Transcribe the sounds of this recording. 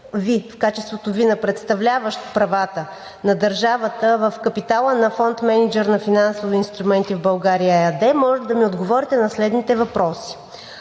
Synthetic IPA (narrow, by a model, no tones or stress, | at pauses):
vifkat͡ʃɛst̪vot̪ovinɐpɾɛt̪st̪ɐvlʲavəʃt̪pɾɐvat̪ə | nɐd̪əɾʒavət̪əvəfkɐpit̪alˠənɐfɔnt̪mɛnid͡ʒɛɾnɐfinansoviinst̪ɾumɛnt̪ivbɐlˠɡaɾijəɛɐd̪ɛmɔʒɛd̪ɐmiod̪ɡovɔɾit̪ɛnɐslɛd̪nit̪ɛvɐpɾɔsi̥